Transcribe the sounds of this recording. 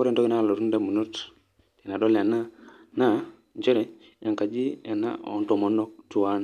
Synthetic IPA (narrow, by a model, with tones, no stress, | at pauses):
ku˦ɾe˦ntɔ˦ki˨na˦˨lo˨ɾu˦nda˦mu˨nu˦t | ti˨na˨dɔ˦la˨na˦na˦ | ɲt͡ʃe˦ɾɛ˨ | ja˨ŋka˨d͡ʒi˦a˨na̰˦ɔ̰˨nto˨mo˦nɔ˦k̚tu˨wa˦n